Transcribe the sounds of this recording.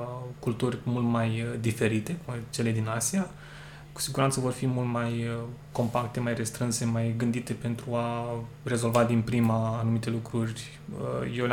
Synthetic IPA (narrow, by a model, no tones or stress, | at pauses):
kult̪urʲmult̪majd̪ife̞ɾit̪e̞t͡ʃele̞d̪inasia | ku̥siɡuɾant̪səvo̞rfimult̪majko̞mpakt̪e̞majre̞st̪ɾɨnse̞majɡɨnd̪it̪e̞pe̞nt̪ɾua | re̞zo̞lvad̪inpɾimaːnumit̪e̞lukɾurʲ | jewl